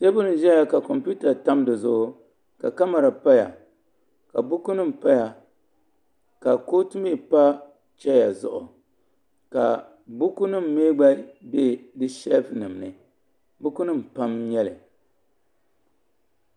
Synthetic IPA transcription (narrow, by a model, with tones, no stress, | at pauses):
se˦bʊ˦nɨ˨ʒɛ˦ja˨ka˨kɔ˨mpu˦ta˨ta˦mdɨ˨zʊ˨ʔʊ˦ | ka̰˨ka˦ma˨ɾa˨pa˦ja˨ | ka˨bʊ˦ku˦nɨ˦m̩˨pa˦ja˨ | ka˨ko˦tɨ˦me˦˨pa˦ | t͡ʃɛ˦ja˨zʊ̰˨ʔʊ̰˨ | ka̰˨ | bʊ˦ku˦nɨ˦m̩ː˨eː˦ɡ͡ba˦be˦˨dɨ˦ʃɛ˦lfnɨ˨m˨nɨ˨ | bʊ˦ku˦nɨ˦m̩˨pa˦mɲɛ˦lɨ˨